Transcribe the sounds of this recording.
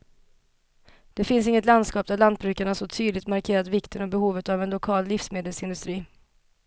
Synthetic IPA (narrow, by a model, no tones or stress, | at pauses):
d̪̥ɛfɪns̬ɪŋːət̪land̪skɑːp̚d̪æɭant̪̚bɾʉ̟ːkaɳasɔt̪ʰyːd̪lɪɡt̪maɾkʰeːɾat̪vɪkt̪ʰənɔbɛhuːvət̪avɛnlʊkʰɑːlːɪfsmeːd̪əlsɪnd̪ɵst̪ɾiː